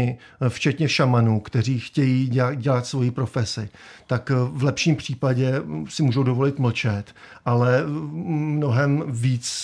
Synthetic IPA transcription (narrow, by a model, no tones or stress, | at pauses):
ɪ | ft͡ʃɛt̪ɲɛʃamanukt̪ɛr̝iːxcɛjiːɟɛlat̪svo̞jiːpɾo̞fɛsɪt̪akvlɛpʃiːmpr̝̥iːpaɟɛsɪmuːʒowdo̞vo̞lɪt̪ml̩t͡ʃɛt̪ʔalɛ | mno̞ɦɛmviːt͡s